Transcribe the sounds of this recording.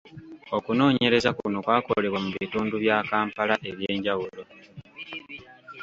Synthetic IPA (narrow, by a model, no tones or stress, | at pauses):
o̞kuno̞ːɲe̞ɾe̞zakuno̞kwaːko̞le̞βwamuβiituːnduβjaːkaːmpalaʔe̞βje̞ːɲɟawulo̞